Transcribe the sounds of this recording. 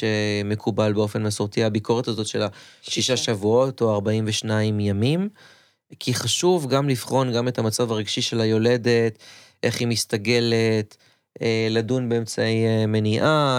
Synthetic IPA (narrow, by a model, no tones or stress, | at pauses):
emekʰubalbeo̞fe̞nmasoʁtiabiko̞ʁetazo̞tʃe̞laʃiʃaʃavuo̞to̞aʁbaimveʃnaimjamim | kʰiχaʃuvɡamlifχo̞nɡame̞thamat͡savaʁiɡ̥ʃiʃe̞lajo̞le̞de̞t | ʔe̞χimistaɡe̞let | eladunbe̞emt͡saejme̞niʔa